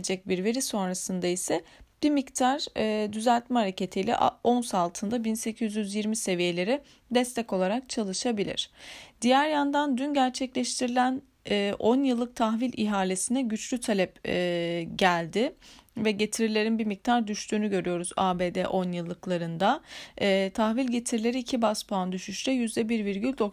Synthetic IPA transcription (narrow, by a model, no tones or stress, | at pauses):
d͡ʒɛc̚biɾve̞ɾiso̞nɾasɯnd̪aisɛb̥imict̪ʰaɾd̪yzælʲt̪mɛhaɾacʰe̞t̪ʰijlʲɛ̰ʔo̞nsalˠt̪ʰɯnd̪abinse̞cʰyzjyzjiɾmise̞vije̞lʲe̞ɾɛ | d̪ɛst̪ʰɛco̞lˠaɾak̚t͡ʃʰalˠɯʃabilʲḭɾ̝̥d̪̥ijæɾjand̪and̪ynɟæɾt͡ʃʰɛclʲɛʃt̪ʰiɾilʲænː | ʔo̞njɯlˠːɯk̚t̪ʰaxvilʲʔiɦaːlʲesinɛɟyt͡ʃlʲyt̪ʰalʲɛpː | ɟælʲd̪ɪvɛɟe̞t̪ʰiɾilʲe̞ɾinbimic̚t̪ʰaɾd̪yʃt̪ʰyːnyɟø̞ɾyjo̞ɾuzaːbeːd̪ɛʔo̞njɯlˠːɯklˠaɾɯnd̪aː | t̪ʰaxvilʲɟe̞t̪ʰiɾlʲe̞ɾiːcʰibaspʰand̪yʃyʃlɛjyzd̪ɛbiɾviɾɟylʲd̪o̞k